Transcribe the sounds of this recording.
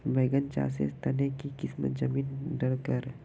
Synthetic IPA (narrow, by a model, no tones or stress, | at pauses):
beːɡənt͡ʃa̰ːsḛst̪ɐnekikɪsmə̰t̪zɐmiːnɖəɾkəɾ